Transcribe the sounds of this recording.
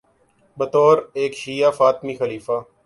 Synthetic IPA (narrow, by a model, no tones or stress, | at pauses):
bət̪oːɾeːkʃiːaːfaːt̪miːxəliːfaː